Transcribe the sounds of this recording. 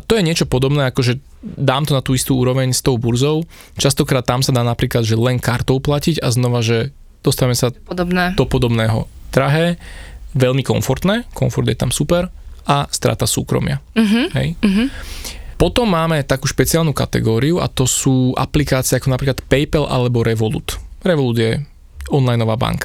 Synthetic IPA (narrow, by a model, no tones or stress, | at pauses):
t̪ɔjɛɲɪɛt͡ʃɔpɔd̪ɔbnɛːakɔʒɛ | d̪aːmt̪ɔnat̪uːist̪uːuːɾɔʋɛɲst̪ɔʊbuɾzɔʊ | t͡ʃast̪ɔkɾaːt̪ːamsad̪aːnapɾiːklad̪ʒɛlɛnkaɾt̪ɔʊplaciɟa̰znɔʋaʒɛ | d̪̥ɔst̪aʋmɛsad̪ɛd̪ɔpɔd̪ɔbnɛːɦɔ̰d̪̥ɾaɦɛ | ʋɛʎmikɔ̰ɱfɔɾt̪nɛːkɔɱfɔɾd̪jɛt̪amsupɛɾʔast̪ɾa̰ːt̪asṵːkɾɔ̰mɪaɦɦɛ̰jɦ | pɔt̪ɔmːaːmɛt̪akuːʃpɛt͡sɪaːlnuːka̰t̪ɛ̰ɡɔːɾiua̰t̪ɔsuːʔa̰plikaːt͡siɪɛakɔnapɾiklat̪pɛjpɛlʔa̰lɛbɔɾɛʋɔlṵːt̪ɾɛʋɔluːd̪jɛ | ɔnlajnɔʋaːba̰ŋkḁ